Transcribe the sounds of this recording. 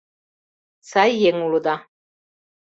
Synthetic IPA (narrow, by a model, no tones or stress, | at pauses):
sajjeŋulud̪a